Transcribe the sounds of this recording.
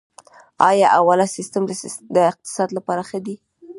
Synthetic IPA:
ɑjɑʔawalasɪst̪əmd̪əɪq̚t̪ɪ̥sɑd̪lapɑɾaxəd̪i

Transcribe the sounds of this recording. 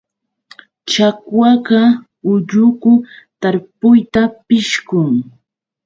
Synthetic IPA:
t͡ʃakwɑɢɑ | ʊʎʊkʊt̪aɾpʊjt̪apɪʃkʊŋ

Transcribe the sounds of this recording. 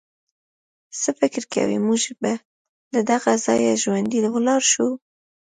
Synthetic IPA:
səfɪkɾka̰wḭmuʒba | lad̪aɣazɑ̰jaʒwand̪ilawlɑɾʃu

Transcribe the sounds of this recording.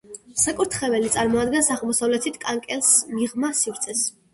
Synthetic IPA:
sakʼuɾt̪ʰχɛvɛlit̪sʼaɾmɔad̪̚ɡɛnsaʁɛlˠmɔsavlɛt̪ʰit̪ʰkʼaŋkʼɛlˠsmiʁmasivɾt̪sʰɛs

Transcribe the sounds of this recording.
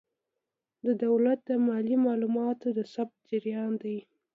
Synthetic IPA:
d̪əd̪awlat̪̚d̪amɑlimɑlumɑt̪od̪əsab̚t̪̚d͡ʒɪɾjɑnd̪aj

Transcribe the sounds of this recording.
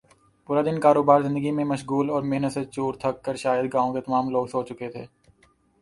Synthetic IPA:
puːɾad̪ɪnkaːɾoːbaːɾzɪ̃nd̪əɡimẽmɐʃɡuːlɔːɾmɪɦnət̪set͡ʃuːɾt̪ʰɐkːəɾʃaːjəd̪̚ɡãːõket̪ɐmaːmloːɡsoːt͡ʃt͡ʃʊket̪ʰeː

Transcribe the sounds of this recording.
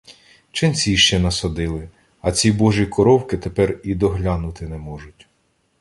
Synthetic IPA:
t͡ʃɪnt͡sʲiiʃt͡ʃɛnɐsɐd̪ɪlˠɪ | ɐt͡sʲibɔʒikɔɾɔwkɪt̪epɛrid̪ɔɦlʲɑnʊt̪ɪnɛmɔʒʊtʲ

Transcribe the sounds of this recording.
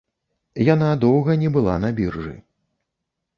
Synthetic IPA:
janad̪ɔwɣɐnʲɛbɨlˠa̰nɐbʲirʐɨ̰

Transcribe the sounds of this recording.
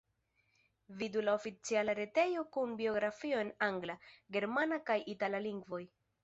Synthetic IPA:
vidulaofit͡sialaɾe̞te̞jo̞kunbio̞ɡɾafio̞e̞naŋɡlaɡe̞ɾmanakajʔitalaliŋɡvo̞j

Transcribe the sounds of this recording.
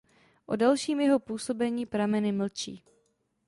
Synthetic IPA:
ʔo̰dalʃiːmjɛɦo̞puːso̞bɛɲiːpɾamɛnɪml̩t͡ʃḭː

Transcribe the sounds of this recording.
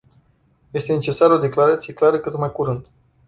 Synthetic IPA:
je̞st̪e̞ne̞t͡ʃe̞saɾəo̞d̪e̞klaɾat̪sije̞klaɾəkɨt̪nmajkuɾɨnd̪

